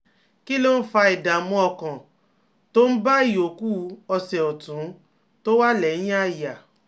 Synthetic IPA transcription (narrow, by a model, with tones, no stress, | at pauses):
ki˦lo˦n̩˦fa˧i˨da˨mɔ̃˨˧ɔ˧kã˨ | to˦n̩˦ba˦i˨o˨ku˦˧ɔ˧sɛ˨ɔ˨tũ˨˦ | to˦wa˦lɛ˨˦j̃a˦˨ja˨